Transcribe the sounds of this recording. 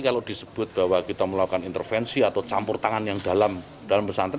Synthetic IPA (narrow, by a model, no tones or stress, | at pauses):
kalod̪̥i̤səb̥ʊt̪̚b̥a̤wakit̪aməlakanint̪ərfɛnsiat̪awt͡ʃampʊrt̪aŋanjaŋd̥̪a̤lam | d̥alambəsanə